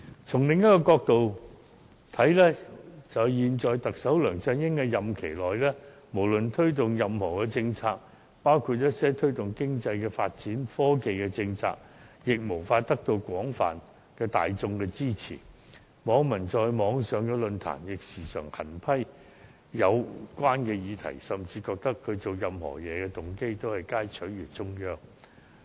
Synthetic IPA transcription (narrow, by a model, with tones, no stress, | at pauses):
t͡sʰʊ˨˩ŋlɪ˨ŋjɐ˥t̚kɔː˧kɔː˧k̚t̪o˨w | t̪ʰɐ˨˥jlɛː˥t͡sɐ˨˩jiː˨nt͡ʃɔː˨jt̪ɐ˨k̚sɐ˨˥wlœː˨˩ŋt͡sɐ˧njɪ˥ŋkɛ˧jɐ˨mkʰe˨˩jlɔː˨jlɛː˥ | mo˨˩wlɵ˨nt̪ʰɵ˥ɥt̪̬ʊ˨ŋjɐ˨mhɔː˨˩kɛ˧t͡sɪ˧ŋt͡sʰaː˧k̚ | paː˥wkʰuː˧t̚jɐ˥t̚sɛː˥t̪ʰɵ˥ɥt̪ʊ˨˩ŋkɪ˥ŋt͡sɐ˧jkɛː˧fa̰ː˧t̚t͡siː˨˥nfɔː˥ke˨jkɛː˧t͡sɪ˧ŋt͡sʰa̰ː˧k̚ | jɪ˨k̚mo˨˩wfaː˧t̚t̪ɐ˥k̚t̪o˧wkʷɔː˨˥ŋfa̰ː˨n | kɛː˧t̪a̰ː˨jt͡sʊ˧ŋkɛː˧t͡siː˥t͡sʰḭː˨˩ | mɔː˨˧ŋmɐ˨˩nt͡sɔː˧jmɔː˨˧ŋsœː˨˧ŋkɛ˧lɵ˧nt̪ʰa̰ː˨˩njɪ˨k̚siː˨˩sœː˨˩ŋhɐ˨˩npʰɐ˥j | jɐ˨˧wkʷwaː˥nkɛː˧jiː˨˧t̪ʰɐ̰˨˩jsɐ˨˩mt͡siː˧kɔː˧k̚t̪ɐ˥kʰːɵ˨˧ɥt͡so˨wjɐ˨mhɔ̰ː˨˩jɛː˨˧kɛ˧t̪ʊ˨ŋke˥jt̪o˥whɐ˨jkaː˥jt͡ʃʰɵ˨˥nɥyː˨˩t͡sʊ˥ŋjœː˥ŋ